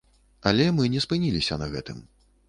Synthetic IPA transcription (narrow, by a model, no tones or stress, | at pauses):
ɐlʲɛmɨnʲɛspɨnʲilʲisʲɐ̰nɐɣɛt̪ɨm